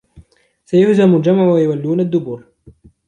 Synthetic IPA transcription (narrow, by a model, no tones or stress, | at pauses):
sajʊħzamʊld͡ʒamaʕwajʊwalːuːnad̪ːʊbuːɾ